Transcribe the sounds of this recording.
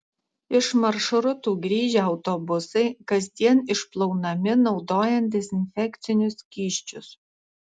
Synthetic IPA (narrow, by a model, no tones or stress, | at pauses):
ɪʃmɐɾʃʊɾʊt̪uːɡɾʲiːʒʲɛɐʊt̪ɔbʊsɐɪkɐzʲd̪ʲiɛnɪʃplˠɔʊnɐmʲɪnɒʊd̪oːjɛnt̪̚d̪ʲɛzʲɪnʲfʲɛkt̪sʲɪnʲʊskʲiːʃʲt͡ʃʲʊs